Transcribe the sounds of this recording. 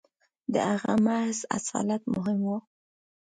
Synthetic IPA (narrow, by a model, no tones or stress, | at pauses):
d̪ə̰haɣamahza̰sɑ̰lat̪mʊɦɪmwu